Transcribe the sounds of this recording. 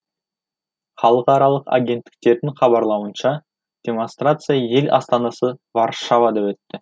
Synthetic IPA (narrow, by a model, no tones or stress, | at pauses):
χɑlˠəqɑɾɑlˠəqa̰ɡʲe̞nt̪ːɪ̥k̚t̪e̞ɾd̪ɪŋχɑbɑɾlˠɑwənʃɑ | d̪̥ʲe̞mo̞nst̪rat̪sɨjaje̞lʲʔɑ̰st̪ɑnɑsəvɑrʃavad̪ɑwɵt̪ːɪ